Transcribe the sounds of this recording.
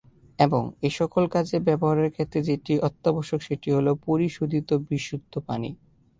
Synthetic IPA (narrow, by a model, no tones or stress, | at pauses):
eboŋeʃɔkolkad͡ʑebɛboɦaɾeɾkʰet̪ɾed͡ʑeʈiʔɔt̪ːabɔʃokʃeʈiɦolopoɾiʃod̪ʱit̪obiʃːut̪ʰːopanḭ